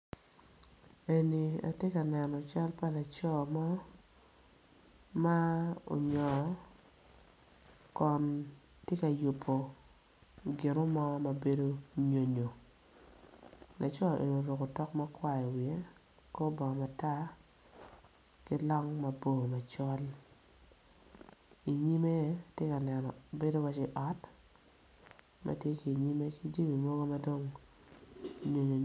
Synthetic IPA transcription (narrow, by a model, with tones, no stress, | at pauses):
e˨ni˨a̰˨tje˦ka˨nɛ˨nɔ˨t͡ʃa˦lpa˦la˨t͡ʃɔ˦˨mɔ˦ | ma˦o̰˨ɲɔ˨ | kɔ˨n | tje˦ka˨ju˨pʰːo˨ | ɡɪ˨no˦mɔ˦ma˨be˦do˦ɲo˨ɲo˨ | na˨t͡ʃɔ˦lḛ˨no˨ɾo˨ko˨tɔ˦kma˦kwa˦˨ɔ˨wi˨e˦ | ko˦bɔ˨ŋɔ˨ma˨ta˦ | ki˦lɔ˦ŋma˨bo˦˨ma˨t͡ʃɔ˦l | i˨ɲi˦me˦tje˦ka˨nɛ˨nɔ˨be˦do˦wa˦t͡ʃi˨ʔɔ˨˦t | mʔa̰˦tje˦ki˨ɲi˦me˦ki˦d͡ʒi˦mi˨mo˦ɡo˦ma˦do˦ŋ | ɲo˨ɲo˨